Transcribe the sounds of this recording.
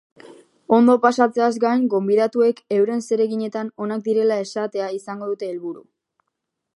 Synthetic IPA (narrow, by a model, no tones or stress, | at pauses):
o̞nd̪o̞pasat͡se̞azɡajŋɡo̞mbiðat̪ue̞ke̞wɾe̞nse̞ɾe̞ɣiɲe̞t̪ano̞nak̚d̪iɾe̞lae̞sat̪e̞aisaŋɡo̞ðut̪e̞ːlβuɾu